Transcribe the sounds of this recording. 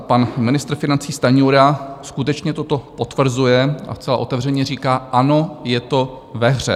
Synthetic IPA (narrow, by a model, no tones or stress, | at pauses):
panmɪnɪst̪ɾfɪnant͡siːst̪aɲuːɾaskut̪ɛt͡ʃɲɛt̪ot̪o̞pot̪vr̩zujɛʔa̰st͡sɛla̰ʔo̞t̪ɛvr̝ɛɲɛriːkaːʔano̞jɛt̪o̞ | vɛɦr̝ɛ̰